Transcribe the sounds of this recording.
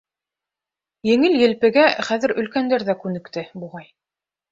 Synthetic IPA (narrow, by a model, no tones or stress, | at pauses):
jɘ̆ŋɘljɘ̆lpɘ̆ɡæχæðɘ̆ɾɵ̆lkænd̪æɾðækʉnɘ̆kt̪ɘbuʁɑj